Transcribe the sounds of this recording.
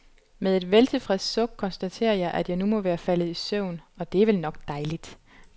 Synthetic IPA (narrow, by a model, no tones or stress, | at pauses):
meðˠe̝d̥ʋelt͡sʰe̝fʁɛsd̥sɔ̽ɡ̥̚kʰɒ̽nsd̥æt͡sʰe̝̰ːɐjɑ̈ɪʔæd̥jɑ̈ɪnumɒ̽ʋæːɐfæl̰ð̞̩ˠisøʊ̰nɒ̽d̥e̝æʋelnɒ̽ɡ̥d̥ɑ̈ɪlid̥